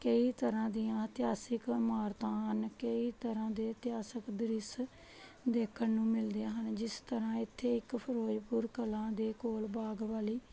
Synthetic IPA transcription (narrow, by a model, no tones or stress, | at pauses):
kəiːt̪əɾãːd̪ɪjãːt̪ɪjaːsɪkmaːɾt̪ãːɦənkəiːt̪əɾãːd̪eːt̪ɪjaːsəkd̪ɪɾɪs | d̪eːkʰənnũːmɪld̪eaːɦənd͡ʒɪst̪əɾãːɪt̪ʰːeːɪkpʰəɾoːd͡ʒpʊɾkəlãːd̪eːkoːlbaːɡʋaːliː